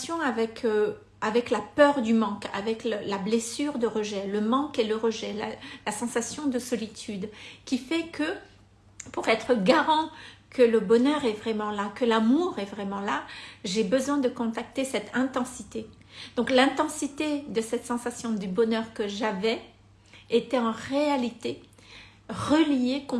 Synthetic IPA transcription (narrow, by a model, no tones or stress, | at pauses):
sjɔ̃avɛkʰ | avɛklapœʁd̪ymɑ̃ka̰vɛkləlablesyʁd̪əʁəʒɛləmɑ̃keləʁəʒɛlalasɑ̃sasjɔ̃d̪əsɔlit̪ʰyd̪kʲifɛkʰə | puʁɛt̪χəɡaʁɑ̃kʰələbɔnœʁɛvʁɛmɑ̃lakəlamuʁɛvʁɛmɑ̃laʒebəzwɛ̃d̪əkɔ̃t̪ak̚t̪esɛt̪ʰɛ̃t̪ɑ̃sit̪e | d̪̥ɔ̃klɛ̃t̪ɑ̃sit̪ed̪əsɛt̪sɑ̃sasjɔ̃d̪ybɔnœʁkəʒavɛ | et̪ɛɑ̃ʁealit̪e | ʁəlijekɔ̃